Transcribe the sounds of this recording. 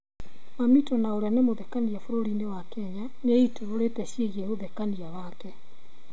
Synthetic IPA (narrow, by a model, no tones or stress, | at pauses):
mamitɔnaoɾeanemoðekaniafoɾoɾinewakɛɲa | neitoɾoɾetɛɕjeɣiehoðɛkaniawaːkɛ